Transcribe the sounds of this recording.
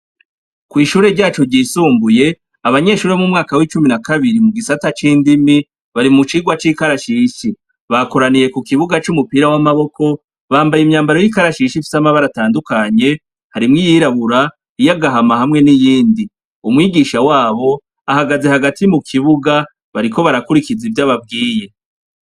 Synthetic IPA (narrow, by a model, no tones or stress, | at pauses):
kwiːʃuːɾe̞ɾɟaːt͡ʃo̞ɾɟiːsuːmbuje̞ | aβaɲe̞ʃuːɾeamŋumŋaːkawiːt͡ʃuminakaβiɾimuɡisatat͡ʃiːndimi | βaɾimut͡ʃiːɡwat͡ʃiːkaɾaʃiːʃi | βako̞ɾanije̞kukiβuɡat͡ʃumupiːɾawamaβo̞kʰo̞ | βaːmbajimɲaːmbaɾo̞jikaɾaʃiʃifi̥samaβaɾataːndukaɲe̞ | haɾimŋijiɾaβuɾa | ijaɡaɦamahamŋe̞nijiːndi | umwiːɡiʃawaːβo̞ | ahaɡaze̞haɡatimukʰiβuɡa | βaɾikʰo̞βaɾakuɾikizivjaβab̚ɡiːje̞